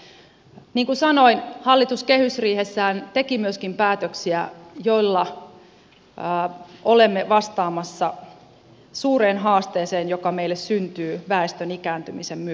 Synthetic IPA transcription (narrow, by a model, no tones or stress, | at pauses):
niːŋkusɑnoinhɑlːit̪uskehysriːhesːæːnt̪e̞kimyøskimpæːt̪øksiæjo̞ilːɑ | olemːeʋɑst̪ɑːmɑsːɑ | suːreːnɦɑːst̪eːseːnjokɑmeilːessynt̪yːʋæest̪ønikæːnt̪ymisemːy